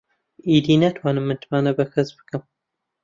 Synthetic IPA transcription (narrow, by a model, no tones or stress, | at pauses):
iːd̪inat̪ʰwaːnɨmːɨnt̪ʰmaːnɐbɐxɐsbɨ̥kɨm